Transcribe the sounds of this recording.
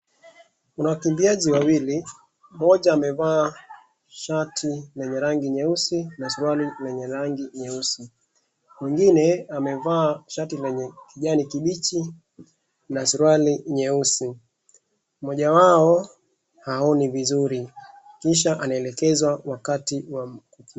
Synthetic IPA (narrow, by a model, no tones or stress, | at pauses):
unawakimbiaʄiwawili | mɔʄaːmɛvaː | ʃatʰilɛɲɛɾaŋɡiɲɛusinasuɾuwalilɛɲɛɾaŋɡiɲɛusi | miŋɡinɛamɛvaːʃatilɛɲɛkiʄanikiɓit͡ʃi | nasuɾwaliɲɛusi | mɔʄawaɔ | haɔnivizuɾi | kiʃ̬aʔanaɛlɛkɛzwawakatiwakuk